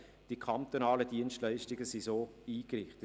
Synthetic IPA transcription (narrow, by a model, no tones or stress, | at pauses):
d̥ikʰant̪onaːləd̥iənstlɛɪʃtɪɡəsisoːiːkrɪχt